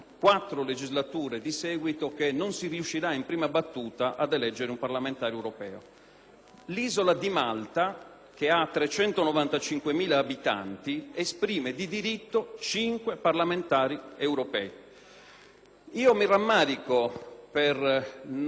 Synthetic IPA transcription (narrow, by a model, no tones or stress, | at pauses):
kwat̪ːɾoled͡ʒizlat̪uːɾed̪isɛːɡwit̪okenːonsiriuʃːiɾaimpɾiːmabat̪ːuːt̪aʔad̪elɛd͡ʒːeɾeumparlament̪aːɾjoewɾopɛːo̰ | liːzolad̪imalt̪a | keat̪ːɾet͡ʃɛnt̪onovant̪at͡ʃiŋkwemiːlaːbit̪a̰nt̪iespɾiːmed̪id̪iɾit̪ːot͡ʃiŋkweparlament̪aːɾiewɾopɛ̰ːi | iːomiramːaːɾikoper